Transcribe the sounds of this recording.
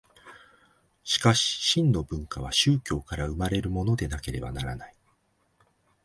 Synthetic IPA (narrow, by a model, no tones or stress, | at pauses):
ɕi̥kaɕi̥ɕĩnnːo̞bɯ̟̃ŋkaβ̞aɕɨːkʲo̞ːkaɾaɯ̟maɾe̞ɾɯ̟mo̞no̞d̪e̞nake̞ɾe̞̰ba̰naɾanai